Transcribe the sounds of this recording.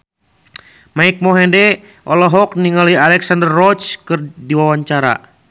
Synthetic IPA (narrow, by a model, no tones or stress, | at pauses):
maik̚mɔɦɛndɛ | ʔɔlɔɦɔk̚niŋalialɛksandərːɔt͡ʃkɨrdiwawaɲt͡ʃaɾa̰